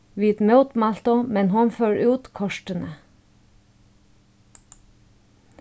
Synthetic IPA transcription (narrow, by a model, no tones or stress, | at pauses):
ʋiːd̪mœʉt̪mɑlt̪ʊmɛnhʊnføːɹʉːt̪kʰɔʃʈənə